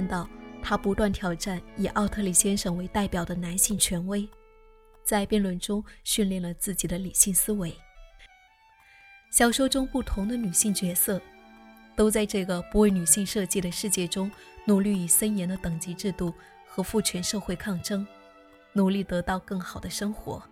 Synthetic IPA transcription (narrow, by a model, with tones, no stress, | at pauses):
nt̪ɑ˥˩ʊt̪ʰa˥pu˧˥t̪wa˥˩nt̪ʰjɑ˨˩ʊʈ͡ʂa˥˩ni˨˩ʔɑ˥˧ʊt̪ʰɤ˥˩li˨˩ɕjɛ˥nʂɤ˨˩ŋwe˧˥ɪt̪a˥˩ɪpjɑ˨˩ʊd̪ə˦na˧˥nɕi˥˩ŋt͡ɕʰɥɛ˧˥nwe˥˩ɪ | t͡sa˥˧ɪpjɛ˥˧nlwə˥˩nʈ͡ʂʊ˥ŋɕy˥˧nljɛ˥˩nlə˩t͡sɹ̩˥˩t͡ɕi˨˩d̪ə˦li˨˩ɕi˥˩ŋsɹ̩˥we˧˥ɪ | ɕjɑ˨˩ʊʂo˥ʊʈ͡ʂʊ˥ŋpu˥˩t̪ʰʊ˧˥ŋd̪ə˧ny˨˩ɕi˥˩ŋt͡ɕɥɛ˧˥sɤ˥˩t̪o˥ʊt͡sa˥˧ɪʈ͡ʂɤ˥˩ɡə˩pu˧˥we˥˩ɪny˨˩ɕi˥˧ŋʂɤ˥˧t͡ɕi˥˩ɾə˩ʂɻ̩˥˧t͡ɕjɛ˥˩ʈ͡ʂʊ˥ŋ | nu˨˩ly˥˩i˨˩sə˥njɛ˧˥nd̪ə˧t̪ɤ˨˩ŋt͡ɕi˧˥ʈ͡ʂɻ̩˥˧t̪u˥˩ | xɤ˧˥fu˥˩t͡ɕʰɥɛ˧˥nʂɤ˥˧xwe˥˧ɪkʰɑ˥˩ŋʈ͡ʂɤ˥ŋ | nu˨˩li˥˩t̪ɤ˧˥t̪ɑ˥˧ʊkɤ˥˩ŋxɑ˨˩ʊd̪ə˦ʂɤ˥ŋxwɔ̰˧˥